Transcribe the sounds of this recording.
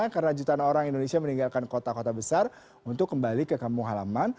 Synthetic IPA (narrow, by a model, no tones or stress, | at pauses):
kaɾənad͡ʒut̪aːnoɾaŋindonesiaməniŋɡalkankot̪akot̪abəsar | unt̪ʊkːəmbalikəkampʊŋɦalaman